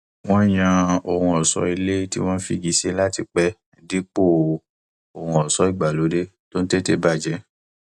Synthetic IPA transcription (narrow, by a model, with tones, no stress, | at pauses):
w̃ɔ̃˦˨j̃ã˧o˨hũ˧ɔ˨sɔ̰˧˦i˧le˦ti˦w̃ɔ̃˦n̩˦fi˧ɡi˨˦se˦la˦ti˧k͡pɛ˦˨ | di˦k͡po˦˨ | o˨hũ˧ɔ˨sɔ˨˦i˦˨ɡ͡ba˨lo˨˦de˦to˦n̩˦te˦te˦ba˦˨d͡ʒɛ˨˦